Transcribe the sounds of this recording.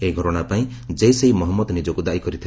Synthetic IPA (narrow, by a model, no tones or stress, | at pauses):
eiɡʱɔɾɔɽ̃apaĩd͡ʒejseɦimɔɦɔmːɔd̪nid͡ʒɔkud̪aʔikɔɾit̪ʰi